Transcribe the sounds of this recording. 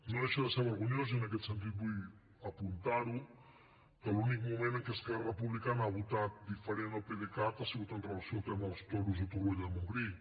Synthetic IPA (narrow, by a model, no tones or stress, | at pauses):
noðeʃəðəseɾβəɾɣunjoziənəkɛt̪sənt̪̬it̪̚buj | əpunt̪aɾu | d̪əlunik̚mumẽnəŋkeskɛrəpuβlikanaaβut̪at̪̚d̪ifəɾenəlˠpeðekat̪asiɣut̪ənrəlasjolˠt̪ɛməəlˠst̪ɔɾuzut̪uɣeʎəmuŋɡɾi